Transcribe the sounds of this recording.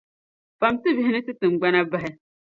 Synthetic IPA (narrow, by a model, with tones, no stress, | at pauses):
fa˨mti˦vi˦hnɪ̃˦tɨ˦tɨ̃˨ŋ͡m̩˨ɡ͡ba˦na˦ba˦˨ɛ˦